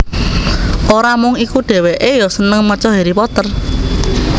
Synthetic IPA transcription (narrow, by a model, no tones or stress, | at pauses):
ʔoɾamʊŋikuɖ̪̥ɛ̤weʔejɔsənəŋmərt͡ʃɔɦeɾipɔt̪ər